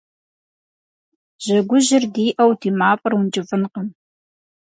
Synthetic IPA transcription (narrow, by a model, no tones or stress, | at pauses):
ʑ̥ɐɡʷʊʑɪrdiːʔɐwdʰiːmaːpʼɐrwʊnt͡ʃʼɪfɨnqəm